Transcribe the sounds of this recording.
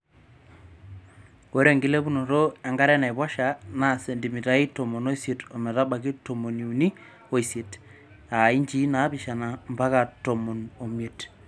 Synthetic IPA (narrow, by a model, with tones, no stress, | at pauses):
wo˦ɾe˦˨ŋɡɪ˦le˦bu˦no˨ɾo˦a˨ŋɡa˦ɾɛ˦na˨jbwa˦ʃa˨na˨se˨ndi˨mi˨ta˨i˦tɔ˨mo˨no˦i˦sje˨to˨mɛ˨ta˦ba˨ki˦to˨mo˨ni˨u˨ni˦ | o˨i˨se˨t | a˨i˦ɲd͡ʒi˦na˨˦bi˨ʃa˨na˨mba˦ka˨tɔ˨mo˨no˨mje˨t